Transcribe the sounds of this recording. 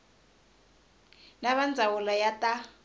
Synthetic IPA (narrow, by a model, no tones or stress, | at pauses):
naβand͡zʱawulɔjata